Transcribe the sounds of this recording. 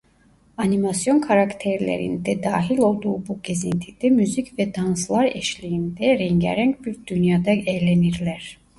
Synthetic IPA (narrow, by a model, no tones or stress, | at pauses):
animasjɔnkʰaɾakt̪ʰɛɾlɛ̰ɾḭnd̪ɛd̪aːɦilo̞lˠd̪uːbuɡezint̪ʰid̪̥ɛmyzikvɛd̪anslˠaɾɛ̰ʃlijind̪ɛɾɛŋɡæ̰ɾɛŋkbiɾd̪ynjad̪ɑɛːlɛniɾlɛɾ̥